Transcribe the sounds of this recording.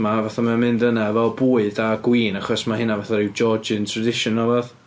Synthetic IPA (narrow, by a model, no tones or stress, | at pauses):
mavaθamamɪndənavɛlˠbuːɨdaɡwiːnaχɔsmahɪnavaθaɾɪwd͡ʒɔd͡ʒɪntʰradɪʃɔnɔlˠvɛð